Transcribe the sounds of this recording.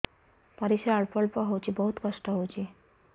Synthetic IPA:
paɾiʃaaɭpɔɭpɔɦowt͡ʃʰibɔɦut̪kɔsʈɔɦowt͡ɕʰi

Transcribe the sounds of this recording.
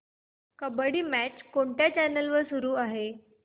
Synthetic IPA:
kəbəɽiːmæt͡ɕkoɳʈjat͡ɕænəlʋəɾsuɾuːaɦe

